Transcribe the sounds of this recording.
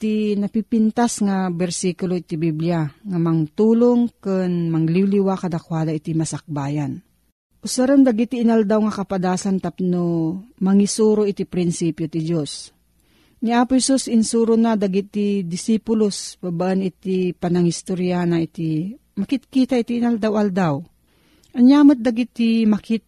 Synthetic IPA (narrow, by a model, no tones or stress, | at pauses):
t̪inɐpipint̪asŋabɛɾsikʊloit̪ibibljaŋamɐŋt̪uːloŋkɨnmɐŋliwliwakɐd̪akwaːd̪laʔit̪imɐsɐk̚baːjan | ʔʊsaɾand̪ɐɡit̪iːnald̪awŋakɐpad̪aːsant̪apnomɐŋisuːɾoʔit̪ipɾɪnsipjot̪id͡ʒos | ŋiaːpʊhɛsusɪnsuːɾonad̪aɡit̪ːid̪ɪsipʊlosbabaʔənɪt̪ipɐnɐŋhist̪oɾjanaʔit̪i | mɐkɪt̪̚kit̪ait̪iːnɐld̪awʔɐld̪aw | ʔɐɲjaːmɨt̪̚d̪ɐɡɪt̪ːimɐkɪt̪̚